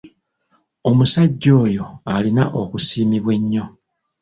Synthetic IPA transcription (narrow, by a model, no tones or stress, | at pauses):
o̞musaɟːo̞ːjo̞alinaʔokusiːmiβwe̞ɲːo̞